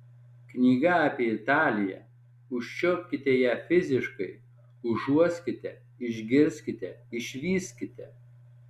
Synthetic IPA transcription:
knʲiːɡɐɑpʲiɛɪt̪ɑːlʲɪjɛ̰ | ʊʃʲt͡ʃʲɔʊpʲkʲɪt̪ʲɛjæːfʲɪzʲɪʃkɐɪ | ʊʒuɔsʲkʲɪt̪ʲɛ | ɪʒʲɡʲɪɾʲsʲkʲɪt̪ʲɛɪʃʲʋʲiːsʲkʲɪt̪ʲɛ

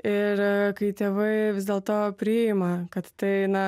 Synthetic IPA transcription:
ɪɾkɐɪt̪ʲeːʋɐɪʋʲɪzd̪ʲeːlˠt̪oːpʲɾʲɪɪmɐkɐt̪t̪ɐɪnɐ

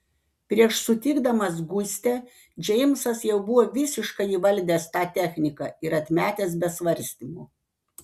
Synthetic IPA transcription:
pʲɾʲiɛʃsʊt̪ʲɪɡd̪ɐmɐs̬ɡʊsʲt̪ʲɛ | d͡ʒʲɛɪmsɐsjɛʊbʊʋoːʋʲɪsʲɪʃkɐɪiːʋɐlʲˑd̪ʲeːst̪ɑːt̪ʲɛxʲnʲɪkɑˑɪɾɐt̪ʲmʲæːt̪ʲeːs̬bʲɛsʋɐɾʲˑsʲt̪ʲiːmuː

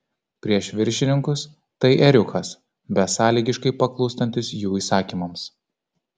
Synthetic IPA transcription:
pʲɾʲiɛʃʋʲɪɾʲʃʲɪnʲɪŋkʊs | t̪ɐɪʔɛɾʲʊkʰɐs | bʲɛtsɑːlʲiːɡʲɪʃkɐɪpɐklˠɔʊst̪ɐnʲt̪ʲɪsjuːiːsɑːkʲiːmɐms

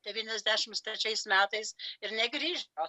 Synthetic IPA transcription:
d̪̥ʲɛʋʲiːnʲɛzʲd̪ʲæːʃʲɪmst̪ɾʲɛt͡ʃʲɛɪsmʲæːt̪ɐɪsɪɾnʲɛɡɾʲiːʒo

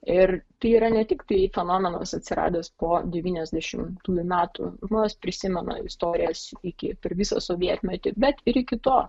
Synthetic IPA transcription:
ɪrt̪ɐɪiːɾɐnʲɛt̪ʲɪkt̪ɐɪfʲɛnoːmʲɛno̰ːsɐt̪ʲsʲɪɾɑ̰ːd̪ʲeːspoːd̪ʲɛʋʲiːnʲɛzʲd̪ʲɛʃʲɪmt̪uːjumʲæːt̪ʊ̰ʒmoːnʲɛspʲɾʲɪsʲɪmʲɛnɐ̰ɪst̪oːɾʲɪjɛsɪkʲɪpʲɛɾʋʲɪsɐ̰soːʋʲiɛt̪ʲmʲɛt̪ʲɪbʲɛt̪ɪɾɪkʲɪt̪oː

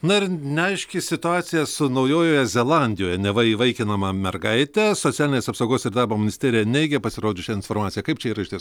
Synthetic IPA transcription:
nɐɪrnʲɛɐɪʃʲkʲɪsʲɪt̪ʊɑːt̪sʲɪjɛsʊnɐʊjoːjoːjɛzʲɛlˠɑnʲd̪ʲɪjoːjɛnʲɛʋɐiʋɐɪkʲɪnɐmɐmʲɛrɡɐɪt̪ʲɛsot̪ʲæːlʲɪnʲeːsɐpsɐʊɡoːsɪɾd̪ɑːɾboːmʲɪnʲɪsʲt̪ʲæːɾʲɪjɛnʲɛɪɡʲɛpɐsʲɪɾoːd͡ʒʲʊʃʲɛɪnfoːɾmɑːt̪sʲɪjɛkɐɪpt͡ʃʲɛiːɾɐɪʃʲt̪ʲeɛ

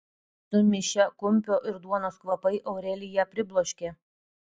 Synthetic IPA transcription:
sʊmʲɪʃʲɛkʊmʲpʲoːʔɪɾd̪uɔnoːskʋɐpɐɪʔɐʊɾʲɛlʲɪjɛpʲɾʲɪblˠoːʃʲkʲe

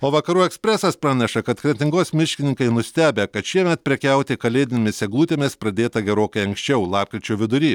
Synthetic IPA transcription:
oːʋɐkɐɾuːɛksʲpʲɾʲɛsɐspɾɑːnʲɛʃɐkɐt̪kɾʲɛt̪ʲɪŋɡoːsmʲɪʃʲkʲɪnʲɪŋkɐɪnʊsʲt̪ʲæːbʲekɐt̪ʃʲiɛmʲɛt̪̚pʲɾʲɛkʲɛʊt̪ʲɪkɐlʲeːd̪ʲɪnʲemʲɪsʲɛɡlˠuːt̪ʲeːmʲɪspɾɐd̪ʲeːt̪ɐɡʲɛɾoːkɐɪɐŋksʲt͡ʃʲɛʊlˠɑːp̚kɾʲɪt͡ʃʲuːʋʲɪd̪ʊɾʲiː

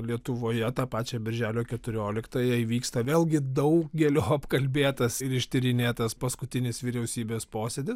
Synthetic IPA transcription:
lʲiɛt̪ʊʋoːjɛt̪ɑːpɑːt͡ʃʲɛbʲɪɾʲʒʲæːlʲoːkʲɛt̪ʊɾʲoːlʲɪkt̪ɐjɛiʋʲiːkst̪ɐʋʲeːlˠɡʲɪd̪ɐʊk̚ɡʲɛlʲoːɐpkɐlʲbʲeːt̪ɐsɪɾɪʃʲt̪ʲɪɾʲɪnʲeːt̪ɐspɐskʊt̪ʲɪnʲɪsʋʲiɾʲɛʊsʲiːbʲeːspoːsʲed̪ʲɪs

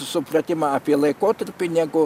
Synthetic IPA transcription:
sʊprɐt̪ʲɪmɑːɑːpʲiɛlˠɐɪkoːt̪ɐɾʲpʲɪnʲɛɡʊ

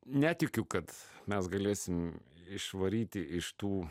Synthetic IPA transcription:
nʲæːt̪ʲɪkʲʊkɐt̪mʲɛsɡɐlʲeːsʲɪmɪʃʋɐɾʲiːt̪ʲɪʔɪʃt̪uː

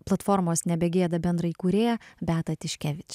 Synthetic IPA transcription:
plˠɐt̪foːɾmoːsnʲɛbʲɛɡʲeːd̪ɐbʲɛnd̪ɾɐikuːɾʲeːjɛbʲæːt̪ɐt̪ʲɪʃʲkʲæːʋʲɪt͡ʃʲ

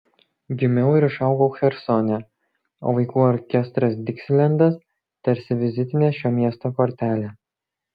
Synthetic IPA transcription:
ɡʲɪmʲɛʊɪɾɪʃɑˑʊɡoʊxʲɛɾsɔnʲɛ | o̰ːʋɐɪkuːɔɾʲkʲɛst̪ɾɐsd̪ʲɪksʲlʲɛnʲd̪ɐs | t̪ʲɛɾʲsʲɪʋʲɪzʲɪt̪ʲɪnʲeːʃʲoːmʲiɛst̪oːkɔɾʲt̪ʲæːlʲeː

